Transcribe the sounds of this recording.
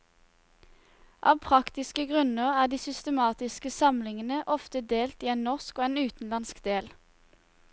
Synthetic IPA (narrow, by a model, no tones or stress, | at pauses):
ʔɑ̰ːʋpʰʁɑkt̪ɪskəɡʁʉnəʁæːd̪iːsʏst̪əmɑːt̪ɪskəsɑmlɪŋənəʔɔft̪əd̪eːlt̪iːeːnnɔʁskoːeːnʉːt̪n̩lɑnskd̪eːl